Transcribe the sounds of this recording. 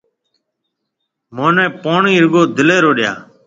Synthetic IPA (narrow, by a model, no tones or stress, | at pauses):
moːnɛ̃ːpoːɳĩːɾɡoːd̪ʱɪleːɾoːɗɪja̰ː